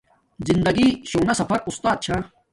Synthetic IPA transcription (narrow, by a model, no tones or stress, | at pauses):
zind̪ɐɡiɕoːnɐsɐfɐɾust̪aːd̪̚t͡ɕʰa